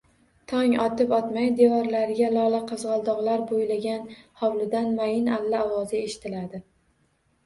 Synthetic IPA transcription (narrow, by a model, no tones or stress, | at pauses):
t̪ʰɒŋɒt̪ɪpɒt̪majd̪evɒɾlaɾɪɡʲalɒlˠaqʰɨzʁɒlˠd̪ɒʁlaɾbojlaɡʲanhɒwlɪd̪anmajɪnalːaɒwɒzɪe̞ʃɪ̥t̪ʰɪlad̪ɪ